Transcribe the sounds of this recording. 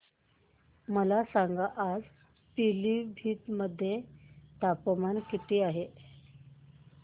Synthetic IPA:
məlasaŋɡaʔad͡z | pilibʱiːt̪məd̪ʱːjet̪apəmankit̪ʰiːaɦe

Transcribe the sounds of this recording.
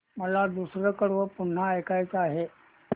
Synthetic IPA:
məlad̪usɾəkəɽʋəpuɳ̤ːaəjkajt͡səaɦe

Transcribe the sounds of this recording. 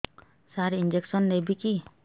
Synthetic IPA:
saɾind͡ʒeksɔnːebiki

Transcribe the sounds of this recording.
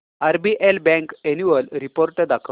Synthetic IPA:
aɾbiʔelbɛ̃ŋkenuʋəlɾipoɾʈəd̪akʰə

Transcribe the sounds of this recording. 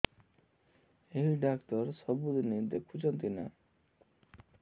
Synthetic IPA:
eɦiɖaktɔɾsɔbud̪init̪ekʰut͡ʃɔnt̪ina̰

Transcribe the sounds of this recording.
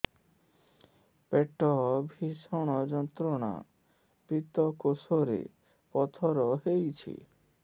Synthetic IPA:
peʈɔbʱiʃɔɽ̃ɔd͡ʒɔnt̪ɾɔɽ̃a̰ | pit̪ɔkosoɾḛ | pɔt̪ʰɔɾɔɦejt͡ɕʰḭ

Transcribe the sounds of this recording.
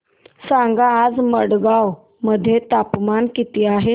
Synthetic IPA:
sãŋɡaːd͡zməɽɡaw | məd̪ʱːjet̪apmankit̪iːaɦe

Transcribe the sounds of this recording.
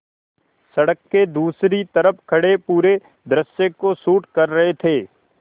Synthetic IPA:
sɐɽəkːed̪uːsɾit̪ɐɾəpkʰɐɽepuːɾe | d̪ɾəʃjẽkosuːʈkɐɾːɐɦet̪ʰeː

